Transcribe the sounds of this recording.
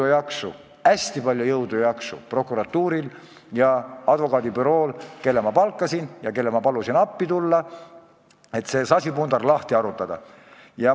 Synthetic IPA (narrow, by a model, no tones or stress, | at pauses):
ujɑksṵ | æsʲt̪ipɑlʲjujɤwd̪̥ujɑksṵpro̞kːˑuɾɑt̪ːuːɾil | jɑɑd̪̥vo̞kɑːd̪ipyɾo̞ːlke̞lːemɑpɑlkːˑɑsinjɑke̞lːemɑpɑlusinɑpːit̪ulːɑ | e̞t̪ːˑse̞ːsɑsʲipund̪ɑrlɑht̪iɑɾut̪ːˑɑd̪̥ɑ̰ | jɑ